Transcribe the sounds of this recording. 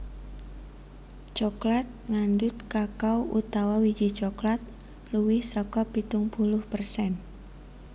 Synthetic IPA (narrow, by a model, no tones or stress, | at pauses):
t͡ʃɔklat̪̚ŋandʊt̪̚kakawʔṵt̪awawi̥d͡ʒit͡ʃɔklat̪̚ | luwɪhsɔkɔpit̪ʊŋpulʊhpərsɛn